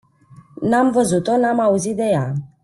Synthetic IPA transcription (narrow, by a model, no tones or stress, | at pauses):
nãm̩vəzut̪ɔnãmãuzid̪ɛja